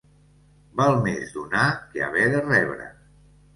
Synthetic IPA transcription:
balˠmezd̪unakea̰βɛðərɛβɾə̰

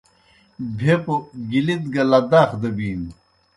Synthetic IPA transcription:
bʱepoɡilit̪ɡɐlɐd̪aːxd̪ɐbiːn

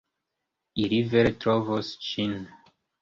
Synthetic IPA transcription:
iliveɾetɾovost͡ʃin

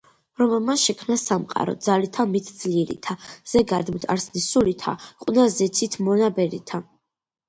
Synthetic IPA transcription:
ɾɔmɛlˠmaʃɛkʰmnasamqʼa̰ɾɔ̰d̪zalit̪ʰamit̪ʰd̪z̥liɛɾḭt̪ʰaz̥ɛɡad̪mt̪ʰa̰ɾsnisulit̪ʰa̰qʼunazɛt̪sʰit̪ʰmɔnabɛɾit̪ʰa

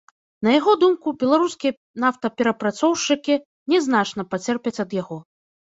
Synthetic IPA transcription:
nɐjaɣɔd̪umkubʲɛlˠaɾuskʲijɐ | naft̪ɐpʲɛɾɐpɾat̪sɔwʂt͡ʂɨkʲi | nʲɛznat͡ʂn̪ɐpat͡sʲɛrpʲɐt͡sʲɐd̪jaɣɔ

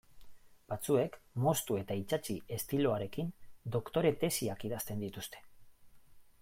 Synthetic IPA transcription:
b̥at͡sue̞kmo̞st̪ue̞t̪ait͡ʃat͡ʃie̞st̪ilo̞aɾe̞kind̪o̞kt̪o̞ɾe̞t̪e̞siakiðast̪e̞nd̪it̪ust̪e̞̥

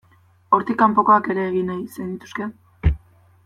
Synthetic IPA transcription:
o̞ɾt̪ikampo̞ko̞ake̞ɾe̞ːɣinajsejnd̪it̪u̥ske̞

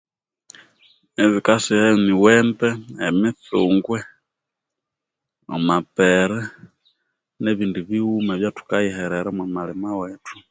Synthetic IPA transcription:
ɛβikasihɛmiwɛmbɛɛmiθuŋɡwɛ | ɔ̰mapɛɾɛ | nɛβindiβiumaβjatu̥kajihɛɾɛɾamwamalimawɛtu̥

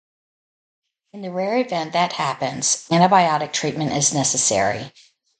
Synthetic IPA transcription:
ɨ̃nðɨɹɛɹɨvɛ̃nðɨt̚hæpɨ̃nz̥æ̃ɾ̃ɨbaɪɑɾɨk̚tʰɹ̥it̚mɨ̃ntɪznɛsɨsɛ̰ɹḭ

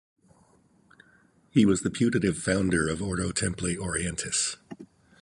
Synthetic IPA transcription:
hiwʌzðɨpʰj̥ʉɾɨɾɨv̥fãʊ̃ndə˞ʌvɔɹɾoʊtʰɛ̃mpleɪɾɔɹiɛ̃ntʰɨs

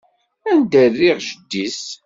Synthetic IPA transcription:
ænd̪ərːiʁʒəd̪ːis

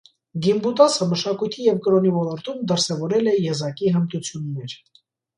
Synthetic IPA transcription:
ɡimbut̪ɑsəməʃɑkujt̪ʰijɛvkɾɔnivɔlɔɾt̪umd̪əɾsɛvɔɾɛlɛjɛzɑkiɦəmt̪ut͡sʰjunːɛɾ

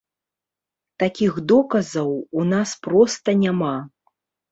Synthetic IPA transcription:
t̪akʲiɣd̪ɔkɐzɐwunaspɾɔst̪ɐnʲama

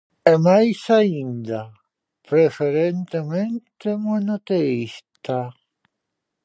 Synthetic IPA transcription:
ɛmajsaind̪a | pɾefeɾent̪ement̪emwanot̪eist̪a

